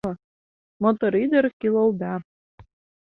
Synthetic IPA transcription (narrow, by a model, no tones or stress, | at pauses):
ɤ̆ | mot̪oɾid̪ɘ̆rkilˠɤ̆lˠd̪ɑ